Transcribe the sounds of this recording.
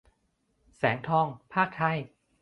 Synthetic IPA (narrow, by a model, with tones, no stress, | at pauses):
sɛː˩˦ŋt̪ʰɔː˧˩ŋpʰaː˥˩k̚t̪ʰa˧˥˩j